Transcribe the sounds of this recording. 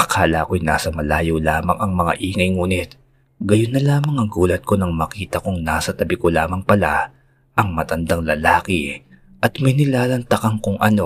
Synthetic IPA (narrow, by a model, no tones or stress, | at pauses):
ʔɐkʰaːlɐkojna̰ːsɐmɐlaːjowlaːmɐŋɐŋmɐŋa̰ʔiːŋɐjŋuːnɪt̪̚ | ɡɐjonːɐlaːmɐŋɐŋɡuːlɐt̪̚ko̞nɐŋmɐkiːt̪ɐkʊŋnaːsɐt̪ɐbɪkolaːmɐŋpɐla | ʔɐŋmɐt̪ɐnd̪aŋlɐlaːkɪ | ʔɐt̪mɐjnɪlaːlɐnt̪ɐkɐŋkʊŋʔɐno̞